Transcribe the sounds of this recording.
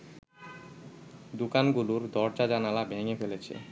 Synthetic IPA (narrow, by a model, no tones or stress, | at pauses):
d̪ukanɡuluɾd̪ɔɾd͡ʑad͡ʑanalabʱeŋefelet͡ɕʰḛ